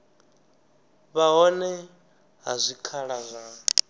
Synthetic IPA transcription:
βaɦɔnɛ | ɦazʷikʰaɺazʷa

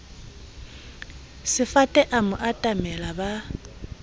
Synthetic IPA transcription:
sɪfatʼɛʔamʊʔatʼamɛlaba

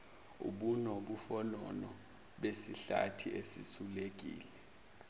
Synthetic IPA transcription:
ṵɓunoɓufɔlɔnɔ | ɓesiɬa̰tʰiʔesḭsulek̬ʼḭːlɛ

